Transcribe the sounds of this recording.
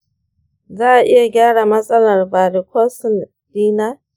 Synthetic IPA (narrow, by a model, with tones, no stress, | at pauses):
zaː˦ʔa˨ʔɪ˦ja˨ɡʲaː˦ɽa˨mɐ˦sʼɐ˦lɐ˨rbaː˨ɾi˨kʷoː˦sɪ˨n | d̥iː˦naː˦